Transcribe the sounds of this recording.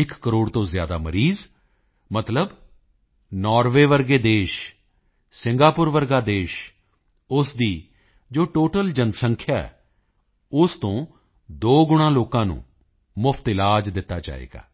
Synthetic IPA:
ɪkːəɾoːɽt̪õːzɪjaːd̪aːməɾiːz | mət̪ləb | nɔːɾʋeːʋəɾɡeːd̪eːʃ | sɪŋɡaːpʊɾʋəɾɡaːd̪eːʃ | ʊsd̪iː | d͡ʒoːʈoːʈəld͡ʒənsəŋkʰjaːɛ̰ː | ʊst̪õː | d̪oːɡʊɽ̃ãːloːkãːnṵ̃ː | mʊpʰt̪ɪlaːd͡ʒd̪ɪt̪ːaːd͡ʒa̰ːḛːɡa̰ː

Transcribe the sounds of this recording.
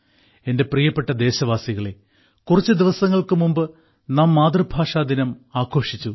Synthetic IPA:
e̞nde̞prijɐpːe̞ʈːɐd̪e̞ːɕɐʋaːsiɣɐɭe̞ | kurɐt͡ɕːɨd̪iʋɐsɐŋːɐɭkɨmumbɨ | naːmːaːd̪rɨbʱaːʂaːd̪inɐmaːkʰo̞ːʂit͡ɕːu

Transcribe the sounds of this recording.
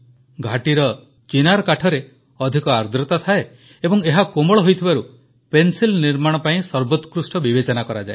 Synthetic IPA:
ɡʱaʈiɾɔ | t͡ʃinaɾɔkaʈʰɔɾe | ɔd̪ʱikɔaɾd̪ʱɾɔt̪at̪ʰae | ebɔŋeɦakomɔɭɔɦojt̪ʰibaɾu | pensilniɾmaɽ̃ɔpaĩsɔɾbɔt̪kɾusʈɔbibet͡ʃɔnakɔɾad͡ʒae

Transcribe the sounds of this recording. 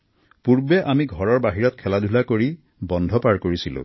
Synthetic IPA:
puɹbɛʔamiɡʱɔɹɔɹbaɦiɹɔt̚kʰɛladʱulakoɹi | bɔndʱɔpaɹkoɹisilʊ̰̃

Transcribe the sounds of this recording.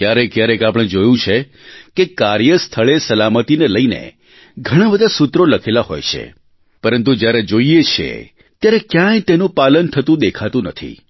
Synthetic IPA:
kjaɾekjaɾekapəɽ̃ẽd͡ʒojũt͡ʃʰe | kekaɾjəst̪ʰəɭesəlamət̪ineləinḛ | ɡʱəɽ̃ãbəd̪ʱasut̪ɾoləkʰelaɦo̰jt͡ʃʰḛ | pəɾənt̪ud͡ʒjaɾed͡ʒoiet͡ʃʰḛ | t̪jaɾekjãjt̪enũpalənt̪ʰət̪ũd̪ekʰat̪ũnət̪ʰḭ

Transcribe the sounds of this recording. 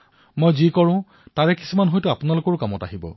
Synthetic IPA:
mojzikɔɹʊ̃ | taɹɛki̥sumanɦojtʊapʊnalʊkɔɹʊkamɔtaɦibɔ̰

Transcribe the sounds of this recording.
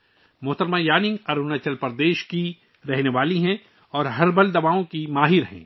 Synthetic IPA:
mʊɦt̪əɾmãjaːnɪ̃ŋɡɐɾunat͡ʃɐlpɐɾd̪eːʃki | ɾɛɦneʋaːliɦɛ̃ | ɔːɾɦɐɾbɐld̪ɐʋaːõkimaːɦɪɾɦɛ̰̃ː

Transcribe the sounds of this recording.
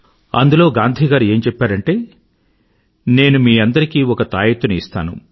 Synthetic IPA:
ɐ̰nd̪ulo̞ːɡaːnd̪ʱiːɡaːɾe̞ːmt͡ʃɛpːaːɾɐɳʈe̞ː | ne̞ːnumiːɐnd̪ɐɾikiːɔkɐt̪aːjɐt̪ːunist̪aːnṵ

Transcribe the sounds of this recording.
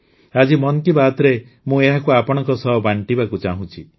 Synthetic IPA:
ad͡ʒimɔnɔkibaːt̪ɾe | mũeɦakuapɔɽ̃ɔ̃ŋkɔsɔɦbaɳʈibakut͡ʃaɦũt͡ʃʰi

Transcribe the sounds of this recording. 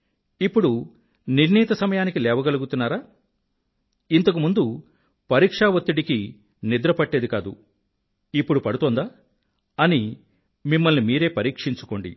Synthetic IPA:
ipːuɽu | niɾniːt̪ɐsɐmɐjaːnikilɛːʋɐɡɐluɡut̪unːaːɾaː | int̪ɐk̬umund̪u | pɐɾiːkʂaːʋɐt̪ːiɽiki | nid̪ɾɐpɐʈːe̞ːd̪ikaːd̪u | ipːuɽupɐɽut̪oːnd̪aː | ɐni | mimːɐlnimiːɾe̞ːpɐɾiːkʂiɲt͡ʃu̥ko̞ːɳɖḭ

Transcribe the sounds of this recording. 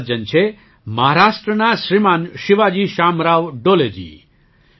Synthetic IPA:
d͡ʒənt͡ʃʰe | mɐɦaɾaːʂʈɾənaʃɾimaːnʃiʋad͡ʒiːʃamɾaːʋɖoled͡ʒḭː

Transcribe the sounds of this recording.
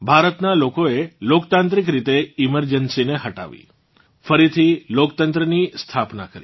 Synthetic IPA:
bʱaɾət̪nalokoelokt̪ãnt̪ɾik̬ɾit̪eɪməɾd͡ʒənsineɦəʈa̰ʋḭ | fəɾit̪ʰilokt̪ənt̪ɾənist̪ʰapna̰kəɾi

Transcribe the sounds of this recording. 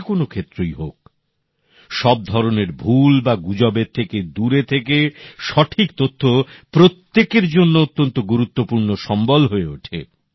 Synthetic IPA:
konokʰet̪ːɾojɦok̚ | ʃɔb̚d̪ʱɔɾoneɾbʱulbaɡud͡ʑɔbet̪ʰːeked̪uɾet̪ʰekeʃɔʈʰikt̪ot̪ʰːopɾot̪ːekeɾd͡ʑonːoot̪ːont̪oɡuɾut̪ːopuɾnoʃɔmbolɦoeoʈʰḛ

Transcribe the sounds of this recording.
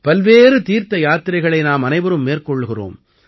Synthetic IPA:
pɐlʋeːrɯt̪iːɾt̪ɐjaːt̪ɪɾɐɪɣɐɭɐɪnaːmɐnɐɪʋɐɾɯmːeːrkɔɭːɣɪro̰ːm

